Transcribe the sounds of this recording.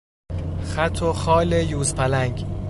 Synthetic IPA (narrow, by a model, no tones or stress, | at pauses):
xæt̪ʰoxɒːlejuːzpʰælæŋɡ